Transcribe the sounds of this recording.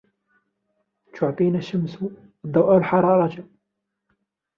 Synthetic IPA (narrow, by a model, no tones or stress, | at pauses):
t̪ʰʊʕt̪ˤinæʃːəmsu | d̪ˤːɑwʔalħɑɾˤɑɾˤɑt̪a